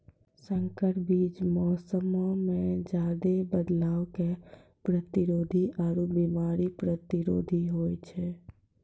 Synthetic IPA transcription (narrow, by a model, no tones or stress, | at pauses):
sə̃ŋkəʈbiːt͡ʃmɔːsəmomẽd͡ʒaːd̪ebəd̪laːwke | pɾət̪ɪɾoːd̪ʱiʔaːɾubimaːɾipɾət̪ɪɾo̰ːd̪ʱiɦoːjt͡ʃʰɛː